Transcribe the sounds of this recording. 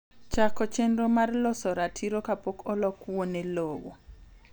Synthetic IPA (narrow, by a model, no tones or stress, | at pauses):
t͡ʃakɔt͡ʃendɔmarlɔsɔɾatʰiɾɔkapokʰɔlɔkuwonelowɔ